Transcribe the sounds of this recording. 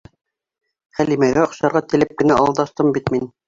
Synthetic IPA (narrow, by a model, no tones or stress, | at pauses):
χælimæɣæŏχɕɑɾʁɑt̪ɘ̆lɘp̚kɘ̆næʔɑlˠd̪ɑst̪ɤmbit̪min